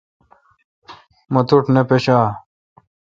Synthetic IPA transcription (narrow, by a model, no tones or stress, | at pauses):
mɐt̪uʈnepeɕaː